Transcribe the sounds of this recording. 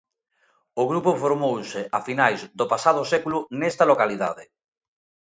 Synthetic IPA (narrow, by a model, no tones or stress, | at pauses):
ʊɣɾupofoɾmowsɪʔafinajzd̪opasað̞ʊsekulʊnest̪ɐlokaliða̰ðɪ